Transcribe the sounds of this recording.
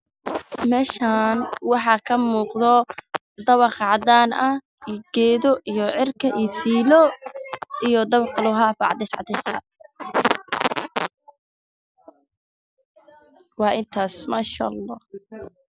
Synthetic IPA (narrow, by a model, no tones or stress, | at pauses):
mɛːʃaːnwɑħɑkʰɐmuːqðɔ | d̪ɐβɑqʕɑd̪aːnɐ | iɡ̥ɛːðɔʔijɔʕɪrkʰɐʔiːfiːlɔ | ʔijɔd̪ɐβɑqlʊɦafɐʕɑd̪ɛsʕɑ̰d̪ɛsɐ̰ | wɑːʔɪnt̪ʰaːsmaːʃɐ̰ɑlˤːɑː